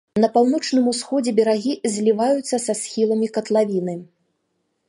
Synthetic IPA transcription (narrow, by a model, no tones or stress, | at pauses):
nɐpawn̪ɔt͡ʂnɨmusxɔd͡zʲɛbʲɛɾaɣʲizʲlʲivajut̪sːɐsasʲxʲilˠɐmʲikɐt̪lˠavʲinɨ